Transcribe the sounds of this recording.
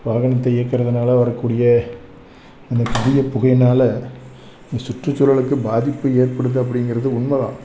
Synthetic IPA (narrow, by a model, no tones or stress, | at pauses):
ʋaːɣɐɳɐt̪̬ːɐeɐkːɪɾɐðɐnaːlɐʋɐɾɐkːuːɽɪjɐ | ɐnd̪ɐpʊðɪjɐpʊɣɐjnaːlɐ | nd̪ɐsʊʈrɯt͡ʃːʊlɐɭɯkːɯbaːðɪpːɯeːrpɐɽɯðɯɐpːɐɽɪŋɡɪɾɐðɯʊɳmɐʋã̰ː